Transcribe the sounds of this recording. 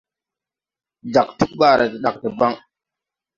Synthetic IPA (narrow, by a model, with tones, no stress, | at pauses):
d͡ʒa˨k̚tu˦k̚ɓaː˦˨ɾa˨ti˨ɗa˨k̚tə˨ba˦ŋ